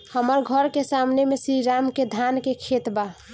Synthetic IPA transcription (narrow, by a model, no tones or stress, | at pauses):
həməɾɡʱəɾkesamnemesɾiɾamked̪ʱankekʰet̪ba